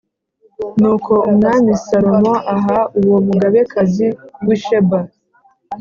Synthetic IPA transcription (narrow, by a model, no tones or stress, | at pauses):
nuːkʰo̞umŋaːnisaɾomoʔaɦauwomuɡaβekʰaziwiʃeba